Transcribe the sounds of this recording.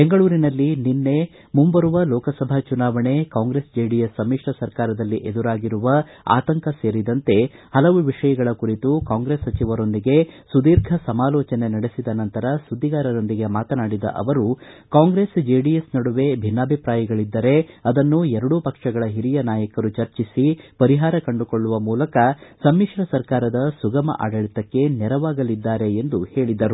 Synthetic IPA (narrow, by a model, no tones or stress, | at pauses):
beŋɡɐɭuːɾinɐlːininːe̞ | mumbɐɾuʋɐlɔːkɐsɐbʱɐt͡ʃunaːʋɐɳe̞kaːŋɡɾeːsd͡ʒeːɖijesːɐmːiʂʈɐsɐɾkaːɾɐd̪ɐlːiʔed̪uɾaːɡiɾuʋɐ | a̰ːt̪ɐŋkɐse̞ːɾid̪ɐnt̪e̞hɐlɐʋuʋiʂɐjɐɡɐɭɐkuɾit̪ukaːŋɡɾesːɐt͡ʃiʋɐɾo̞nd̪iɡe̞sud̪iːɾɡʱɐsɐmaːlɔːt͡ʃɐne̞nɐɽesid̪ɐnɐnt̪ɐɾɐsud̪ːiɡaːɾɐɾo̞nd̪iɡe̞maːt̪ɐnaːɽid̪ɐ̰ʔɐ̰ʋɐɾukaːŋɡɾesd͡ʒeːɖijesnɐɽuʋe̞bʱinːaːbʱipɾaːjɐɡɐɭid̪ːɐɾe̞ɐd̪ɐnːuɛɾɐɽupɐkʂɐɡɐɭɐɦiɾijɐnaːjɐkɐɾut͡ʃɐɾt͡ʃisipɐɾiɦaːɾɐkɐɳɖuko̞ɭːuʋɐmuːlɐkɐsɐmːiʂɾɐsɐɾkaːɾɐd̪ɐsuɡɐmɐ̰ʔa̰ːɖɐɭit̪ɐkːe̞nɛɾɐʋaːɡɐlid̪ːaːɾe̞ːnd̪uhe̞ːɭid̪ɐɾu